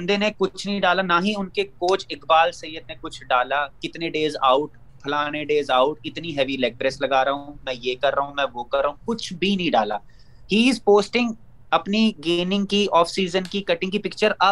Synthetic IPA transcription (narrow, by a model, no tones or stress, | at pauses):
nd̪enekʊt͡ʃʰnɐɦĩɖaːlanaːɦĩʊnkekoːt͡ʃʰɪkbaːlsɐijːəd̪̚nẽkʊt͡ʃʰɖaːlaːkɪt̪neɖeːza̰ːʊʈ | pʰɐlaːneɖeːzaːʊʈɪt̪niɦɛːʋilɛːk̚ʈɾeslɐɡaːɾɐɦũmɛ̃ːjeːkɐɾːɐɦũmɛ̃ːʋoːkɐɾːəɦũkʊt͡ʃʰbʱinɐɦĩɖaːlaː | hiːɪzpoːsʈɪ̃ŋɡ | ɐpniɡeːnɪ̃ŋɡ̚kiɔːfsiːzənkikɐʈɪ̃ŋɡkipɪk̚t͡ʃəɾɐ